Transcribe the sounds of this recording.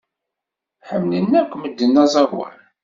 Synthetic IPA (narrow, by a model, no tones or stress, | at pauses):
ħəmnənːækʷːməd̪ːənːæzˤɑɾwæ̰ɾ